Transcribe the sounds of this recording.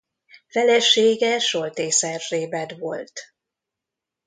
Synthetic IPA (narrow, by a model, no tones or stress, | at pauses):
fɛlɛʃeːɡɛʃolt̪eːsɛrːeːbɛd̪ʋo̞lt̪